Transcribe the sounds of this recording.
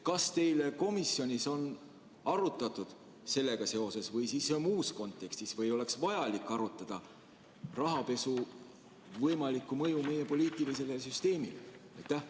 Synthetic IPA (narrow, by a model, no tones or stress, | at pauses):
kɑst̪e̞jle̞ko̞misjo̞nʲiso̞n | ɑɾut̪ːˑɑt̪ːˑud̪̥ | se̞lːe̞ɡ̥ɑse̞o̞se̞svɤjsiːsːemuːsko̞nt̪ːˑe̞kst̪isvɤjo̞le̞ksvɑjɑlikːˑɑɾut̪ːˑɑd̪̥ɑ | rɑɦɑpe̞su | vɤjmɑlikːˑumɤjume̞je̞po̞lʲiːt̪ˑilis̬e̞lesyst̪e̞ːmileɑjt̪ːæh